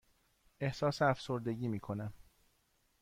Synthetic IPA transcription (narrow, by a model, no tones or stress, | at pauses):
e̞hsɒːseæfso̞ɾd̪e̞ɟiːmiːkʰo̞næm